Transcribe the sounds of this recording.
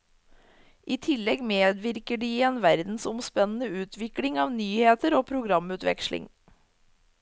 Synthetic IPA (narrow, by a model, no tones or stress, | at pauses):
ʔiːt̪ʰɪlɛɡmeːd̪ʋɪɾkəɖiːeːnʋæɾd̪n̩sʊmspɛnn̩əʉːt̪ʰʋɪklɪŋɑːʋnyːheːt̪əɾoːpʰɾʊɡɾɑmʉːt̪ʋɛ̰kʃlɪ̰ŋ